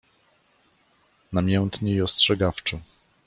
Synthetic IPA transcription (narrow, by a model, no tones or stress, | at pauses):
namʲjɛnt̪ɲɛiɔstʂɛɡaft͡ʂɛ